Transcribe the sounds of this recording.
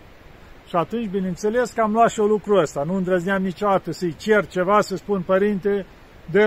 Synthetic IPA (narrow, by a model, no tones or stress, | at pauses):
ʃiat̪unt͡ʃʲbineɨnt̪se̞le̞skəamlatʃiolukɾuəst̪anuɨnd̪ɾəzniamnit͡ʃod̪at̪əsəjt͡ʃert͡ʃe̞vasəspunpəɾint̪e | d̪e